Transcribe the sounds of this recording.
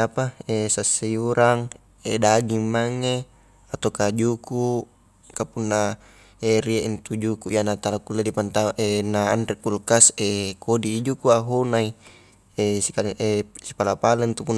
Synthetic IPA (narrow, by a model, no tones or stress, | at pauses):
apaesasːejuɾaŋ | edaɡimːaŋe | at̪okad͡ʒuku | kapunːa | eɾieʔint̪ud͡ʒukuʔijanat̪alakulːedipant̪aʔenaːndikulkasekodid͡ʒukuaɦonai | esiaʔesi̥palapaleint̪upunː